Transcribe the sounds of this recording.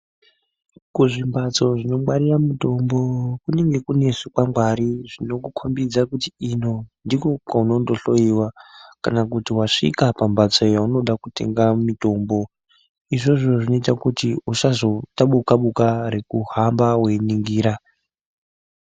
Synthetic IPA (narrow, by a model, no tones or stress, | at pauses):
kuʐimbat͡so̞ʐino̞maɾiramuto̞mbo̞kune̞ŋɡe̞kune̞sukwamɡwaɾiʐino̞kukʰombid͡zakutiino̞ndiko̞kwauno̞ndo̞ɬo̞iwakanakutiwaʂḭkapambat͡so̞jauno̞ɗakute̞̰ŋɡamito̞ːmbo̞ | iʐo̞ʐo̞ʐino̞itakutiuʃazo̞taɓukaɓukaɾekuhambawe̞niŋɡiːɾa